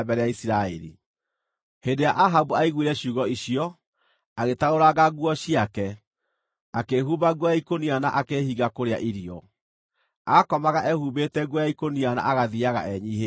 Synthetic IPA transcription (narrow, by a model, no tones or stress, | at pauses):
bɛɾɛjaisɾaɛ̰ɾḭ | hendejaʔaɦaβuaiɣwiɾɛɕuːɣɔiɕiɔ | aɣetaoɾaɣaɣwɔɕiakɛ | akeɦuβaɣwɔjaikoniana̰ʔakehiɣakoɾea̰ʔiɾiɔ | akɔmaɣaʔɛhuβetɛɡwɔjaikoniana̰ʔaɣaðiaɣa̰ʔɛɲiːɦe